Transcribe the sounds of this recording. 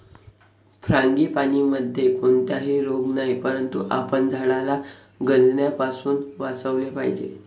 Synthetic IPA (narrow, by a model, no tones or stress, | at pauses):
pʰɾãŋɡiːpaɽ̃iːməd̪ʱːjekoɳt̪jaɦiːɾoɡnajpəɾənt̪uʔa̰pəɳd͡zʱaɭala | ɡəlnjapasuːnʋat͡səʋlepaɦid͡ʑḛ